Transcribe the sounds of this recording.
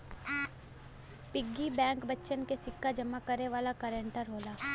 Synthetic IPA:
pɪɡːibɛ̃ːŋkbɐtːʃənkesɪkːad͡ʒɐmːakəɾeʋaːlakəɾəɳʈəɾɦoːlaː

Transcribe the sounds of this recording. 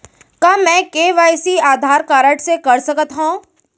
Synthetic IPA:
kamɛ̃ːkeːʋaːjsiaːd̪ʱaːɾkaːɾəʈsekɐɾsɐkət̪ɦõ

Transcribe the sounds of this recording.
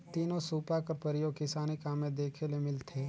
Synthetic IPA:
t̪iːnõsuːpakəɾpəɾɪjoːɡ̚kɪsaːnikaːmẽd̪eːkʰelemɪlt̪ʰeː

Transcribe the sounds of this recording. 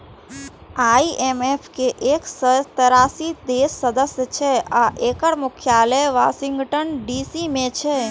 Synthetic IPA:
aːiʔemefkeʔeːksət̪əɾaːsid̪eʃːəd̪əsjət͡ʃʰeaʔeːkəɽmʊkʰjaːləjʋaːʃɪ̃ŋɡʈənɖisimẽt͡ʃʰe

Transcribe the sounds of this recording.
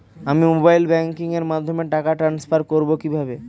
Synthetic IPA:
amimobajlbɛŋkiŋeɾmad̪ʱːomeʈakaʈɾanspʰaɾkoɾbokibʱabe

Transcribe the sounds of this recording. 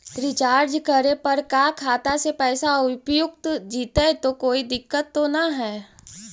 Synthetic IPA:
ɾit͡ʃaːɾd͡ʒkəɾepɐɾkakʰaːt̪asepɛːsaʊpjʊkt̪d͡ʒiːt̪aet̪okoːid̪ɪkːət̪ːonaɦɛː

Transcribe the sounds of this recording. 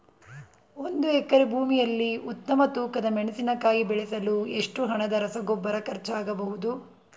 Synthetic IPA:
o̞nd̪uɛkːɐɾebʱuːmijɐlːiut̪ːɐmɐt̪uːkɐd̪ɐmeɳɐsinɐkaːjibɛɭɛsɐlueʂʈuɦɐɳɐd̪ɐɾɐsɐɡobːɐɾɐkɐɾt͡ʃaːɡɐbɐɦud̪u

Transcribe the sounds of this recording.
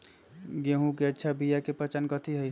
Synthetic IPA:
ɡeɦũkeətːʃʰabijakepət͡ʃənkət̪ʰiɦəj

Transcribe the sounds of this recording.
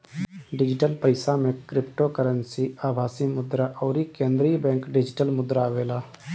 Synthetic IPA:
ɖɪd͡ʒɪʈəlpəɪsamẽkɾɪpʈokəɾənsiaːbʱaːsimʊd̪ɾaʔɔːɾikẽːnd̪ɾibɛ̃ːŋkɖɪd͡ʒɪʈəlmʊd̪ɾaːʋeːlaː

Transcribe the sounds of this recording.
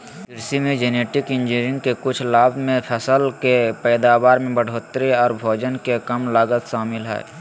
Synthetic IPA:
bɪɾsimẽd͡ʒeːneːʈɪkɪ̃nd͡ʒiɾɪ̃ŋɡkekʊt͡ʃʰlaːbmẽpʰɛsəlkepɛːd̪aːbaːɾmẽbəɽ̤ʱoːt̪ɾeɔːɾbʱoːd͡ʒənkekəmlaːɡət̪ʃaːmɪlɦɛ̰ː

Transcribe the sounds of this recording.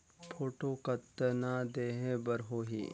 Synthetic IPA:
pʰoːʈokɐt̪ːənad̪eːɦẽbɐɾɦoːɦḭː

